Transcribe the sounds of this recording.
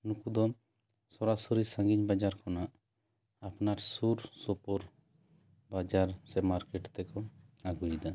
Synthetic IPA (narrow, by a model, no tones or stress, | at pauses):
nukud̪ɔ | sɔɾasɔɾisãŋɡiɲbad͡ʒaɾkɔnaʔ | apnaɾsuɾsɔpɔɾ | bad͡ʒaɾsɛmaɾkɛʈt̪ɛkɔaɡujd̪a